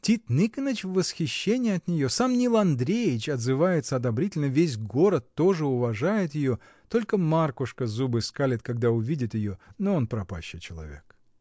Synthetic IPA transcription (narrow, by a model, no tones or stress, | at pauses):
tʲit̪nɨkənət͡ɕvvːəsxʲɪɕːenʲɪjɐt̪nʲɪjo̞samnʲilˠɐnd̪ɾʲejɪt͡ɕɐd̪zɨvajɪt̪səɐd̪ɐbɾʲitʲɪlʲnəvʲes̬ʲɡo̞ɾət̪ːo̞ʐɨʊvɐʐajɪt̪jɪjo̞ | t̪o̞lʲkəmarkʊʂkəzubɨskalʲɪt̪̚kɐɡ̚d̪aʊvʲidʲɪt̪jɪjo̞noonpɾɐpa̰ɕːɪt͡ɕɪlˠɐ̰vʲe̞̰k̚